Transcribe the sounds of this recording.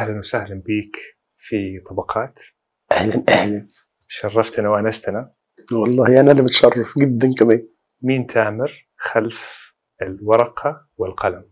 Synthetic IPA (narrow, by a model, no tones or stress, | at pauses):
ʔahlanwsaːhlɪmbiːk | fit̪ˤːɑbɑqʰɑːt̪ | ʔahlanʔahlan | ʃɑrˤːɑft̪anawʔanast̪ana | wɑlˤːɑːhʔanalimɪt̪ʃɑrˤːɑfɡɪd̪ːankamaː | miːnt̪ʰaːmɪɾ | xalf | ɪlwɑɾˤɑqʰɑ | wɪlqɑlam